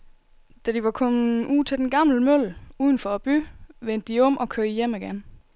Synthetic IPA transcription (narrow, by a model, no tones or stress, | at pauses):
d̥ædiʋɑ̈kʰɒ̽muːt͡sʰe̝ld̥enɡ̥ɑ̈ml̩møl̰uːðˠn̩fɒ̽æb̥yʋen̰d̥iɔ̽m̰ɒ̽kʰøɐjeməɡ̥æn